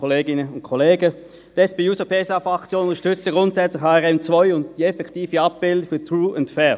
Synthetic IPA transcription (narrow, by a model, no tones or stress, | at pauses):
oleːɡɪnəʊnt̚kʰɔleːɡə | d̥ɛsb̥euːsopʰesɑfɑkt͡sjoʊʊtəʃtʏt͡stəɡ̥ʁʊntsɛt͡slɪçhɑːɛʁɛmt͡svɔʏʊntd̥iːɛfɛktiːfəɑp̚b̥ɪldfyːɐtɹuːʊntfɛ